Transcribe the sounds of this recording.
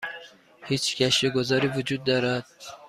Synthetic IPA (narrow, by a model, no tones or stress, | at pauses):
hiːt͡ʃcʰæʃeɡozɒːɾiːvud͡ʒuːd̪̚ːɒːɾæd̪̥̚